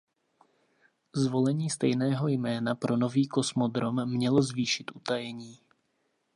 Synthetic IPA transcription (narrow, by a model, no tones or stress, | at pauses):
zvo̞lɛɲiːst̪ɛjnɛːɦojmɛːnapɾo̞no̞viːko̞smod̪ɾo̞mːɲɛlo̞zviːʃɪt̪ʔut̪ajɛɲiː